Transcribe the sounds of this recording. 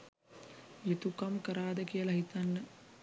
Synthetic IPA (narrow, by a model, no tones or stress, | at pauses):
jet̪ukamkəɾaːd̪əkijəlɐɦit̪anːə